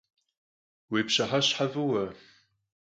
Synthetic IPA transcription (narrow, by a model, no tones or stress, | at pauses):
weːpɕɐħaɕħavɨwɐ